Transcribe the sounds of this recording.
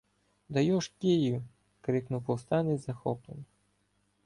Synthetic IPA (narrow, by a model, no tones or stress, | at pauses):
d̪ɐjɔʃkʲeju | kɾɪknʊwpɔwst̪ɑnɪzɐxɔplˠen